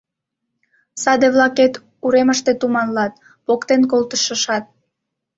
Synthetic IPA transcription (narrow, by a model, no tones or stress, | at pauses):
sɑd̪eβlɑket̪ | uɾeməʃt̪et̪umɑnlɑt̪̚ | pokt̪enkolt̪əʃəʃɑt̪̚